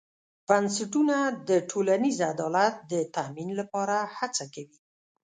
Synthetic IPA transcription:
b̥ansaʈunad̪əʈʰolanizad̪ɑlat̪̚d̪ət̪aminlapɑɾahat͡sakawi

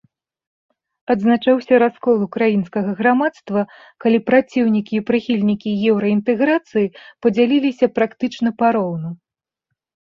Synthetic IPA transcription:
ɐd̪znat͡ʂawsʲɐɾaskɔlˠukɾajinskɐɣɐɣɾamat̪st̪vɐ | kalʲipɾat͡sʲiwnʲikʲiːpɾɨxʲilʲnʲikʲijɛwɾɐint̪ɛɣɾat̪sɨjipɐd͡zʲalʲilʲisʲɐpɾakt̪ɨt͡ʂnɐpaɾɔwnu

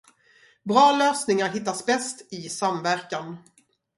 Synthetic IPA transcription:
bɾɑːløːsnɪŋaɾɦɪt̪ːasbɛst̪ɪsamvæɾkan

